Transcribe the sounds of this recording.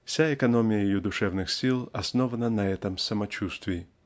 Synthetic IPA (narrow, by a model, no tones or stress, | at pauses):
fsʲaɛkɐnɔmʲɪjəjjud̪ʊʂɛvnɨxsʲilˠɐsnɔvɐnɐnɐɛt̪ɐmsɐmɐt͡ɕust̪vʲɪji